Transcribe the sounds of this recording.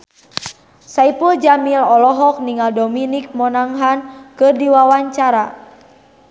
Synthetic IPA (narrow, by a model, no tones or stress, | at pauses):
saipuld͡ʒamilɔlɔɦɔk̚niŋaldɔminik̚mɔnaŋɦankɨrdiwawaɲt͡ʃaɾa